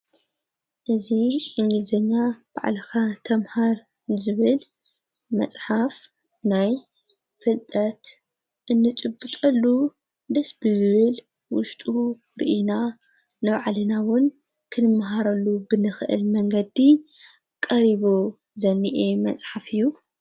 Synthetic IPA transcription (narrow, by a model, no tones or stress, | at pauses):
ʔɨziʔɨŋɡɨlzɐɲːab̥a̰ʕlɐxat̪ʰɐmhaɾ | zɨβɨl | mɐ̰t͡sʼħaf | naj | fɨlt̪ʼɐt̪ | ʔɨnːɨt͡ʃʼɨbːɨt̪ʼɐlːu | d̪ɐsbɨzɨβɨl | wʊʃt̪ʼu | ɾḭʔina | nɨβaʕlɨnawʊn | kʰɨnɨmːaɦaɾɐlːubɨnɨxɨʔɨ̰lmɐŋɡɐd̪i | kʼɐɾiβo | zɐnːiʔemɐt͡sʼħafɨjːu